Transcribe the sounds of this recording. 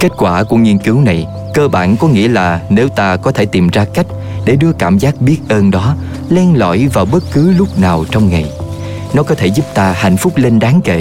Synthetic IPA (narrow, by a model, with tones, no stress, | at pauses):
ke˦˥t̚kwaː˧˩ku˧˩əŋi˧nkɨ˨˦wna˨˩j | kəː˧ɓa̰ː˧˨nkɔ˨˦ŋḭ˧˥əlaː˨˩ne˨˦wt̪aː˧kɔ˨˦t̪ʰe˧˩t̪i˨˩mzaː˧ka˦˥jk̟̚ | ɗe˧˩ɗɨ˧əkaː˧˩mzaː˦˥k̚ɓi˦˥ət̚ʔəː˧nɗɔ˨˦ | lɛ˧nlɔ̰˧˨jvaː˨˩wɓə˦˥t̚kɨ˨˦lʊ˦˥k͡p̚naː˨˩wt͡ɕɔ˧wŋ͡mŋa˨˩j | nɔ˨˦kɔ˨˦t̪ʰe˧˩zu˦˥p̚t̪aː˧ha̰˧˨jŋ̟fʊ˦˥k͡p̚le˧nɗaː˨˦ŋkḛ˧˨